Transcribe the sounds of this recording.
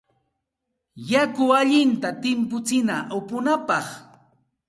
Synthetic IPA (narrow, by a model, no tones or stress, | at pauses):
jakʊaʎɪnt̪at̪ɪmpʊt͡sɪnaʔʊpʊnapɑχ